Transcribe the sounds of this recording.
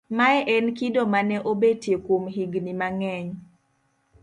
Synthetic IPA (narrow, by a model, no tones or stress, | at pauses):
maɛʔɛnkidomanɛʔobetjekwomɦiɡnimaŋɛɲ